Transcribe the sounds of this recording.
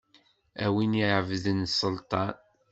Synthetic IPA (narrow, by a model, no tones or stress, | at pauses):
æwiniʕəvðənsˤːəlt̪ˤɑn